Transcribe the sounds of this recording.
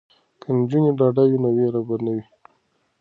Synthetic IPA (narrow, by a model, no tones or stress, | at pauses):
kənd͡ʒuneɖɑɖajinaweɾabaɾnawi